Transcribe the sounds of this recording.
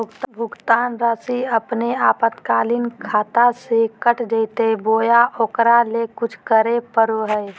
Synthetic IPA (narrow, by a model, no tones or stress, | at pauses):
ʊkt̪bʱʊɡt̪aːnɾaːsiəpneaːpət̪kaːlinkʰaːt̪asekəʈʰd͡ʒet̪eboːjaʔoːkɾalekʊt͡ʃʰkəɾepəɾoɦɛe